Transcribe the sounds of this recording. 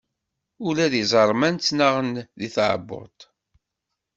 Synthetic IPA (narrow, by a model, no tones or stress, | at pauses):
ʊlæðizˤɑɾˤmænt͡s̪ːnaʁənðiθʕə̰bːʊ̰ɾt̪ˤ